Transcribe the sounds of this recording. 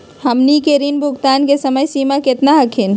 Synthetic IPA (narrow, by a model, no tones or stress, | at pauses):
həmnikeɾinbʱukt̪ankesəməjsimaket̪naɦəkʰin